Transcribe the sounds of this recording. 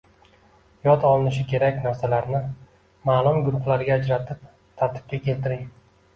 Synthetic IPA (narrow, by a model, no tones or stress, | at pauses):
jɒd̪ɒlɪnɪʃɪkʲʰe̞ɾakʲnaɾsalaɾnɪ | maːlˠʊmɡʊɾʊχlaɾɡʲaːd͡ʒɾat̪ʰɪp̚ | t̪ʰaɾt̪ʰɪ̥p̚kʲakʲe̞lt̪ɪɾɪŋ